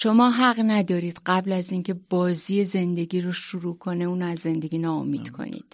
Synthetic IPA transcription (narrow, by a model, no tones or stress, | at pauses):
ʃo̞mɒːɦæɣnæd̪ɒːɾiːd̪̥ɢæblæziːŋcʰe̞bɒːziːe̞ze̞nd̪e̞ɡiːɾoʃuɾuːkʰo̞ne̞uːnoæzːe̞nd̪e̞ɡiːnɒːomiːd̪̥kʰo̰nḭːd̪̥